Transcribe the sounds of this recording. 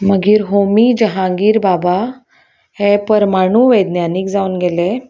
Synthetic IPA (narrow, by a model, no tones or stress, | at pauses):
məɡiːɾɦomid͡ʑəɦãɡiːɾbaba | hepəɾmaɽ̃uːʋejd̪njanikd͡zauːnɡele